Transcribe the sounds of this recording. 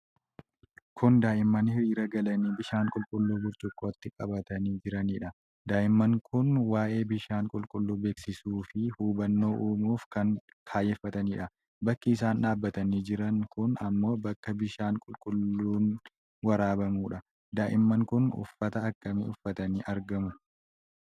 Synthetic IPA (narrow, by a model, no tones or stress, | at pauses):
kʰʊnd̪aːʔɪmːɐnhɪɾiːɾɐɡɐlɐniːbɪʃaːŋkʼʊlkʼʊlːuːbʊɾt͡ʃʼʊkʼːoːɐt̪ːɪkʼɐbɐt̪ɐniːd͡ʒɪɾɐniːᶑɐ | d̪aːʔɪmːɐŋkʰʊnwaːʔe̞ːbɪʃaːŋkʼʊlkʼʊlːuːbe̞ːksɪsuːfɪhuːbɐnːo̞ːʔuːmuːfkɐn | kʰaːjɛfːɐt̪ɐniːᶑɐ | bɐkːiːsaːnᶑaːbːɐt̪ɐniːd͡ʒɪɾɐŋkʊnɐmːo̞ːbɐkːɐbɪʃaːŋkʼʊlkʼʊlːuːn | wɐɾaːbɐmuːᶑɐ | d̪aːʔɪmːɐŋkʊnʊ̰fːɐt̪ɐːkːɐmḭːʊfːɐt̪ɐniːʔɐɾɡɐmʊ